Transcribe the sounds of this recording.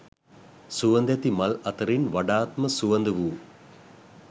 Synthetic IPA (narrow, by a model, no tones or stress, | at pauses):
suʋənd̪ɛt̪imɐlɐt̪əɾinʋaɖaːt̪məsuʋɐnd̪əʋuː